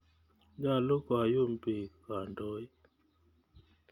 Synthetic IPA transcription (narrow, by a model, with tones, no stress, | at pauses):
ɲa˦˨lo˦kwa˨jo˦˨m˨pe˨ka˨ndɔ˦j